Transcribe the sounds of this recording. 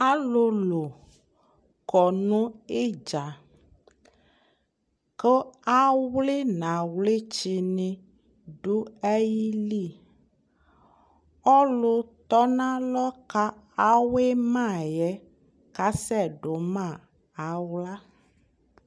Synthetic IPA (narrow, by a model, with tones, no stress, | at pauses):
a˦lo˦lo˨ | kɔ˨nũ˦e˦d͡ʒa˨ | ke˦a˦wle˦nã˨wle˦t͡ʃi˨nẽ˨ | ɖu˦ɛ˦ji˦li˦˨ | ɔ˦lo˦t̪ɔ˦nã˦lɔ˦ka˦ | a˦we˦mã˦˨jɛ˦ | ka˦sɛ˦˨ɖo˨mã˦˨ | a˨wla˦